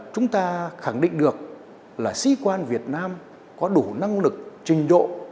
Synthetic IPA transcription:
t͡ɕʊ˨˦ŋ͡mt̪aː˧xa˧˩ŋɗḭ̈˧˨ŋ̟ɗɨ˨˩ək̚ | laː˨˩sḭ˧˥kwaː˧nvi˨˩ət̚naː˧m | kɔ˨˦ɗu˧˩na˧ŋlɨ˨˩k̚t͡ɕï˨˩ŋ̟zo̰˧˨

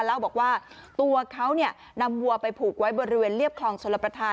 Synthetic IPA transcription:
la˥˩wbɔː˨˩k̚waː˥˩t̪u˧ɐkʰa˦˥wni˥˩ | na˧mːu˧ɐpa˧jpʰuː˨˩k̚wa˦˥jbɔː˧ɾi˦˥weː˧nɾli˥˩əp̚kʰlɔː˧ŋso˨˩˦la˧pɾa˧t̪ʰaː˧

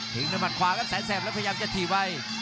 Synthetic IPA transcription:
t̪ʰi˨˩˦ŋna˧ma˨˩t̪̚kʰwaː˨˦ka˧˨nsaː˨˦jsɛː˨˩p̚ɛ˦˥pʰa˧jaː˧mt͡ɕa˨˩t̪ʰiː˨˩wa˧j

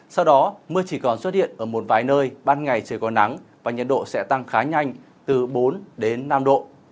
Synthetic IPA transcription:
sa˧wɗɔ˨˦mɨ˧ət͡ɕi˧˩kɔ˨˩nswə˦˥t̚hḭ˧˨ənʔəː˧˩mo˨˩t̚vaː˨˦jnəː˧jɓaː˧nŋa˨˩jt͡ɕɨ˨˧əkɔ˨˦na˨˦ŋvaː˨˩ɲə˨˩t̚ɗo̰˧˨sɛ̰˧˥t̪a˧ŋxaː˨˦ɲa˧jŋ̟ | t̪ɨ˨˩ɓo˨˦nɗe˨˦nːa˧mɗo̰˧˨

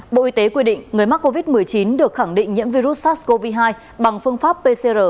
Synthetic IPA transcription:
ɓo̰˧˨ʔi˨˦t̪e˨˦kwi˧ɗḭ̈˧˨ŋ̟ŋɨ˨˩əjma˦˥kːo˧vi˦˥t̚mɨ˨˩əjt͡ɕi˨˦nɗɨ˨˩ək̚xa˧˩ŋɗḭ˧˨ŋ̟ɲḭ˧˥mvi˧ɾu˦˥t̚saː˦˥sko˧vi˧ɦaː˧j | ɓa˨˩ŋfɨ˧əŋfaː˦˥pːe˧se˧zəː˨˩

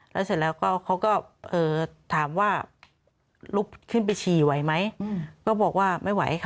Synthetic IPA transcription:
lɛː˦˥se˨˧˩t̪̚lɛː˦˥wkɔː˥˩kʰa˦˥wkɔː˥˩ʔɤː˨˩t̪ʰaː˩˦mwaː˥˩ | lu˦˥p̚kʰɯ˥˩npa˧jt͡ɕʰiː˨˩wa˨˦jma˦˥jkɔː˥˩bɔː˨˩k̚waː˥˩ma˥˩jwa̰˨˩˦jhkʰa˥

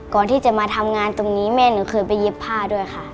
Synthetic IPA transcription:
kɔː˨˩nt̪ʰiː˥˩t͡ɕa˨˩maː˧t̪ʰa˧mŋaː˧nt̪o˧ŋniː˦˥mɛː˥˩nɯː˩˦kʰɤː˧jpa˧jːe˦˥pʰːaː˥˩du˥˩əjxʰa˥

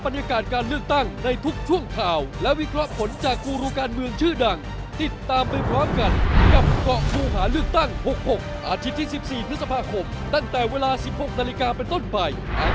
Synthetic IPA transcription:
ba˧njaː˧kaː˨˩t̪̚kaː˧nlɯ˥˩ək̚t̪a˥˩ŋna˧jt̪ʰu˦˥k̚t͡ɕʰu˥˩əŋkʰaː˧wlɛ˦˥ʔwi˦˥kʰɾɔ˦˥ʔpʰo˩˦nt͡ɕaː˨˩kːuː˧ɾuː˧kaː˧nmɯ˧əŋt͡ɕʰɯː˥˩da˧ŋ | t̪i˨˩t̪ːaː˧mpa˧jpʰɾɔː˦˥mka˧nka˨˩p̚kɔ˨˩ʔkuː˧ɦaː˩˦lɯ˥˩ək̚t̪a˥˩ŋho˨˩k̚ho˨˩k̚ʔaː˧t̪ʰi˦˥t̪ʰːiː˥˩si˨˩p̚siː˨˩t̪ʰɯ˦˥sa˧pʰaː˧kʰo˧m | t̪a˥˩ŋt̪ɛː˨˩weː˧laː˧si˨˩p̚ho˨˩k̚na˧li˧kaː˧pe˧nt̪o˥˩npa˧j | ʔ

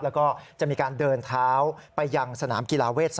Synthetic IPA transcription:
plɛː˦˥wkɔː˥˩t͡ɕa˨˩ʔmiː˧kaː˧ndɤː˧nt̪ʰaː˦˥wpa˧jːa˧ŋsa˧naː˩˦mki˧laː˧weː˥˩t̪̚s

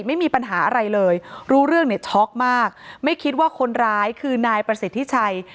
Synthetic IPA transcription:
ma˥˩jmiː˧pa˧nɦaː˩˦ʔa˧ɾa˧jlɤː˧jɾuː˦˥ɾɯ˥˩əŋni˥˩ət͡ɕʰɔ˦˥k̚maː˥˩k̚ma˥˩jkʰi˦˥t̪̚waː˥˩kʰo˧nɾaː˦˥jkʰɯː˧naː˧jpɾa˧si˨˩t̪ʰːi˦˥t͡ɕʰa˧j

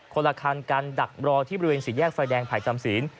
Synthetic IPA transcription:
kʰo˧la˧kʰaː˧nkaː˧nda˨˩k̚ɾɔː˧iː˥˩ɔ˧˥i˥weː˧nsiː˨˩jɛː˥˩k̚faː˧jdɛː˧ŋpʰaː˨˩jt͡ɕa˧msi˩˦n

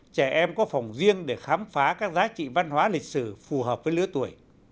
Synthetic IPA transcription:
t͡ɕɛ˧˩ʔɛ˧mkɔ˨˦fa˨˩wŋ͡mzi˧ənɗe˧˩xaː˨˦mfaː˨˦kaː˦˥k̚zaː˨˦t͡ɕḭ˧˨va˧nhwaː˨˦lï˨˩k̟̚sɨ˧˩fu˨˩ɦəː˨˩p̚vəː˨˦jlɨ˨˦ət̪u˧˩əj

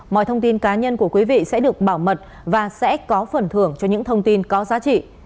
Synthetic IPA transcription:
mɔ̰˧˨jt̪ʰə˧wŋ͡mt̪i˧nkaː˨˦ɲə˧nku˧˩əkwi˨˦vḭ˧˨sɛ̰˧˥ɗɨ˨˩ək̚ɓaː˧˩wmə˨˩t̚ | vaː˨˩sɛ̰˧˥kɔ˨˦fə˨˩nt̪ʰɨ˧˩əŋt͡ɕɔ˧ɲɨ̰˧˥ŋt̪ʰə˧wŋ͡mt̪i˧nkɔ˨˦zaː˨˦t͡ɕḭ˧˨

